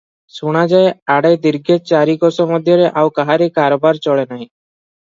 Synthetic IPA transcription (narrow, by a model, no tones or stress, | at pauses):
suɽ̃ad͡ʒaːeaːɽejd̪ɪɾɡet͡ʃaːɾikɔsɔmɔd̪ʱjɔɾeʔaːukaɦaɾekaːɾobaːɾt͡ʃɔɭenaːɦĩ